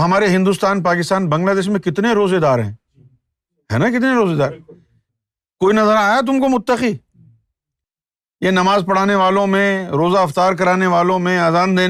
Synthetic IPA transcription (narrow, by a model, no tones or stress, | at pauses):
ɦɐmaːɾeɦɪ̃nd̪ʊst̪aːnpaːkɪst̪aːnbɐ̃ŋɡlaːd̪eːʃ̬mẽkɪt̪neɾoːzed̪aːɾɦɛ̰̃ː | ɦɛ̰ːnakɪt̪neɾoːzeːd̪aːɾ | koːinɐzəɾaːjat̪ʊmkomʊt̪ːəqiː | jenɐmaːzpɐɽ̤aːneʋaːlõmẽɾoːzaɐft̪aːɾk̬ɐɾaːneʋaːlõmẽaːzaːnd̪eː